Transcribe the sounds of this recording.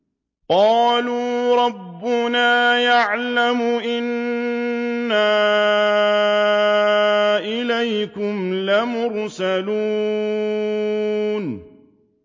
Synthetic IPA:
qɑːluːɾˤɑbːʊnaːjaʕlamʊʔɪn | aː | ʔɪlajkʊmlamʊɾsalu | n

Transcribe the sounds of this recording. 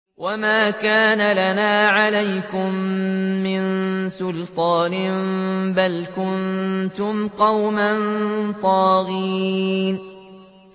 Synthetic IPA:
wʔamaːkaːnalanaːʕalajkʊmː | ɪnsʊlt̪ˤɑːnɪmbalkʊnt̪ʊmqɑwmant̪ˤɑːɣin

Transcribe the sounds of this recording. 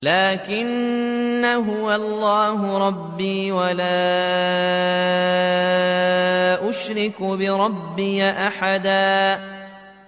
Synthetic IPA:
laːkɪnː | aɦʊwaɑlˤːaːɦʊɾˤɑbːiːwalaː | ʔʊʃɾɪkbɪɾˤɑbːɪjaʔaħad̪aː

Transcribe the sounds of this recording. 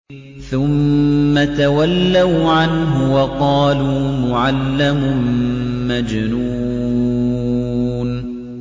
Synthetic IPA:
θʊmːat̪awalːawʕanɦʊwɑqɑːluːmʊʕalːamʊmmad͡ʒnuː | n

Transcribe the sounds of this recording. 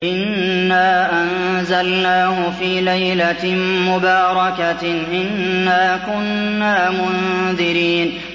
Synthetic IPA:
ʔɪnːaːʔanzalnaːhʊfiːlajlamʊbaːɾˤɑkaʔɪnːaːkʊnːaːmʊnðɪɾiːn

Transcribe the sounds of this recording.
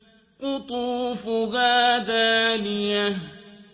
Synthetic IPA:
kʊt̪ʊfʊɣad̪alija

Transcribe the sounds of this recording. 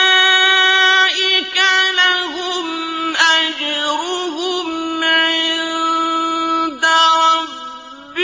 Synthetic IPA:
ʔɪkalaɦʊ | m | ʔad͡ʒɾʊɦʊmʕɪnn | d̪aɾˤɑ | b

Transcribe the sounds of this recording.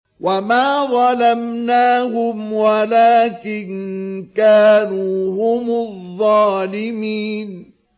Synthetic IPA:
wʔamaːðˤɑlamnaːhʊmwalaːkɪnkaːnuːhʊmʊðˤːɑːlɪmiːn

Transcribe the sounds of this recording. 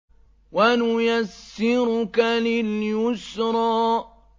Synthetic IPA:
wanʊjasːɪɾʊkalɪljʊsɾˤɑː

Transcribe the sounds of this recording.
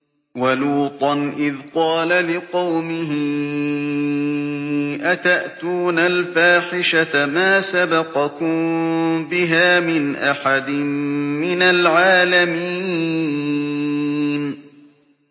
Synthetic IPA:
waluːt̪ˤɑnʔɪðqɑːlalɪqɑwmɪɦɪ | ʔat̪aʔt̪uːnalfaːħɪʃatamaːsabɑqɑkʊmbɪɦaːmɪnʔaħad̪ɪmmɪnalʕaːlamiː | n

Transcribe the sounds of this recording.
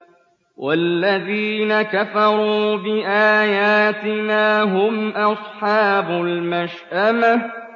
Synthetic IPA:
wʔalːaðiːnakafɑɾˤuːbɪʔaːjaːt̪ɪnaːɦʊmʔɑsˤħɑːbʊlmaʃʔama

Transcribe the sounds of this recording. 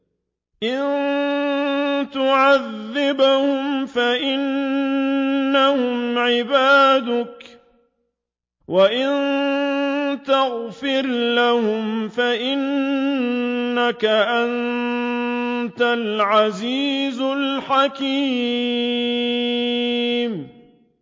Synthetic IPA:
ʔɪn | t̪ʊʕaðːɪbhʊmfaʔɪn | ahʊmʕɪbaːd̪ʊk | waʔɪnn | t̪aɣfɪɾlahʊmfaʔɪn | akaʔan | t̪alʕaziːzlħakiː | m

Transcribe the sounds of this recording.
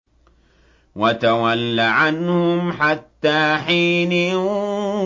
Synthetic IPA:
wat̪awalːaʕanhʊmħat̪ːaːħiːnɪ

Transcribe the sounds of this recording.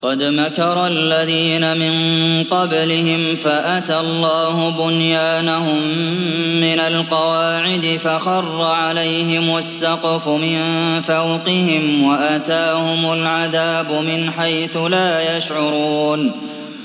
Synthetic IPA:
qɑd̪makɑɾˤɑlːaðiːnamɪnqɑblɪhɪmfaʔat̪alˤːɑːhʊbʊnjaːnahʊmː | ɪnalqɑwaːʕɪd̪ɪfaxɑrˤːɑʕalajɦɪmasːɑqɑfʊmɪnfawqɪɦɪmwaʔat̪aːhʊmalʕaðaːbʊmɪnħajθʊlaːjaʃʕʊɾuːn

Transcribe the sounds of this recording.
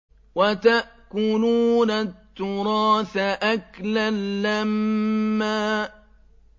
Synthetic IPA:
wat̪aʔkʊluːnat̪ːʊɾɑːθaʔaklalːamː | aː

